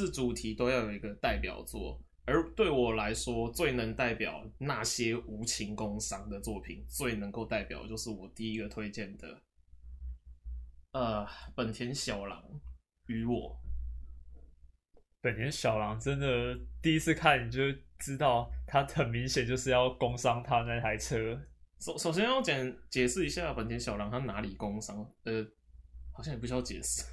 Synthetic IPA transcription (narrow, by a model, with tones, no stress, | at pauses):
ʂɻ̩˥˩ʈ͡ʂu˨˩t̪ʰi˨˥t̪o˥ʊjɑ˥˩ʊjo˨˩i˧˥ɡə˧t̪a˥˩ɪpjɑ̰˨˩ʊt͡swɔ̰˥˩ | ə˞˨˥t̪we˥˩ɪwɔ˨˩la˧˦˥ɪʂwɔ˥t͡swe˥˩ɪnə˧˥ŋt̪a˥˩ɪpjɑ̰˨˩ʊna˥˨ɕjɛ˥u˧˥t͡ɕʰi˧˥ŋkʊ˥ŋsɑ˥ŋd̪ə˨t͡swɔ˥˩pʰḭ˨˩˦nt͡swe˥˩ɪnə˧˦ŋko˥˧ʊt̪a˥˩ɪpjɑ˨˩ʊt͡ɕjo˥˧ʊʂɻ̩˥˩wɔ˨˩t̪i˥˩i˦˥ɡə˨t̪ʰwe˥ɪt͡ɕɛ˥˩nd̪ə̰˩ | ə˨pə˨˩nt̪ʰjɛ˧˥nɕjɑ˨˩ʊlɑ̰˧˦˥ŋ | y˧˥wɔ˨˩˦ | pə˨˩nt̪ʰjɛ˧˦nɕjɑ˨˩ʊlɑ˧˦ŋʈ͡ʂə˦˥nd̪ə˨˩t̪i˥˨i˦˥t͡ss̩ʰ˥˧kʰa˥˨nni˨˩t͡ɕjo˥˧ʊʈ͡ʂɻ̩˦t̪ɑ˥˨˩ʊt̪ʰa˦xə˨˩nmi˨˦ŋɕjɛ˨˩nt͡ɕjo˥˧ʊʂɻ̩˥˧jɑ˥˩ʊko˦ŋsɑ˦ŋt̪ʰa˦na˥˩ɪt̪ʰa˧˥ɪt͡sʰɤ˦ʂo˨˦ʊʂo˨˩ʊɕjɛ˥njɑ˥˩ʊt͡ɕjɛ˨˩nt͡ɕjɛ˨˩sɹ̩˥˩˨i˧˥ɕja˥˩pə˨˩nt̪ʰjɛ˦nɕjɑ˨˩ʊlɑ˨˧˦ŋt̪ʰa˥na˧˥li˨˩ko˦ŋsɑ˦ŋə˨˧˩ | xɕjɑ˥ŋjpu˧ɕt͡ɕjɛ˨˩˦s̩˥˩